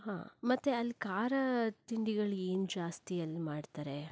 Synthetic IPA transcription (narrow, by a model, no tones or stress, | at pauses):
ɦa̰ːmɐt̪ːeɐlːkaːɾɐt̪iɳɖiɡɐɭeːnud͡ʒaːst̪iɐlːmaːɖt̪aːɾe̞